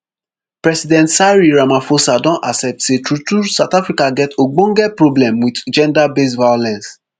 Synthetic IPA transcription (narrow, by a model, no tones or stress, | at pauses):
pɹɛsidɛ̃ntsaɹiɹamãfosadɔ̃ʔasɛp̚tsetɹutusaʊtafɹikaɡɛtoɡ͡bõŋɡɛpɹoblɛ̃mwitd͡ʒɛ̃ndabesvajolɛ̃ns